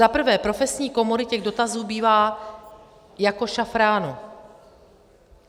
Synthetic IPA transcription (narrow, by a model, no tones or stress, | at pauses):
zapr̩vɛːpɾo̞fɛsɲiːko̞moɾɪcɛɣdo̞t̪azuːbiːvaː | jako̞ʃafɾaːnu